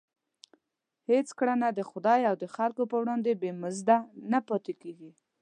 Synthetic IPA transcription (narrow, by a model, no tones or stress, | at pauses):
het͡skɽanad̪əxʊd̪ɑjawd̪əxalkopəwɽɑnd̪ebemʊzd̪anapɑt̪ekeɡi